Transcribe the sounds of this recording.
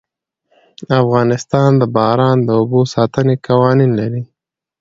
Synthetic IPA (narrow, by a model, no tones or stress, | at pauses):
afɣɑnɪst̪ɑnd̪əbɑɾɑnd̪əʊbosɑt̪ənekawɑninlaɾi